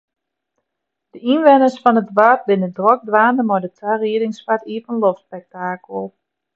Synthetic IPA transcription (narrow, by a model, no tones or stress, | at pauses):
d̥əʔinʋɛnəsfɔnətʋat̚bɪnədrɔk̚dʋaːnəmojdətʰariədɪŋsfatiəvənlofspɛk̚taːkəl̩ˠ